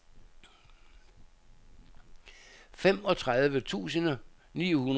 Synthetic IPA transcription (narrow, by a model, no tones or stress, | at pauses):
fem̰ɒ̽t͡sʰʁaðˠʋət͡sʰṵːsənənḭːhun